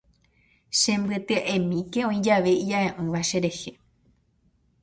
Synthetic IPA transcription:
ʃẽ̞mbɨt̪ɨaʔẽmĩke̞õĩd͡ʒaʋe̞id͡ʒaẽʔɨ̃ʋaʃe̞ɾe̞he̞

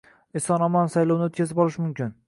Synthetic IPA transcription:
ɪsɒnɒmɒnsajlˠownɪot̪̚kʲazɪpɒlˠɪʃmʊmkʲɪn

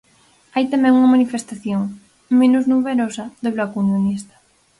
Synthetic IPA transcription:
ajt̪amɛ̃ŋuŋɐmanifest̪aθjoŋ | mẽnuznuβeɾosaðoβlakund̪onist̪ḁ

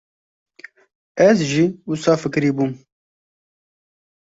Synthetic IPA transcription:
ɛzʒiːʊsɑːfɨkɾiːbuːm

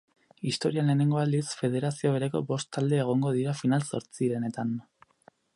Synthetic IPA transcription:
ist̪o̞ɾiale̞ːne̞ŋɡo̞ald̪isfe̞ð̞e̞ɾasio̞eɾeko̞̰bo̞st̪ːald̪e̞ːɣ̞o̞ŋɡo̞ð̞iɾafinalso̞̰ɾt͡siɾe̞net̪an

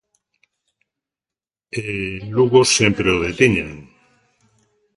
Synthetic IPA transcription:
eluɣosjempɾeoð̞et̪iɲeŋ

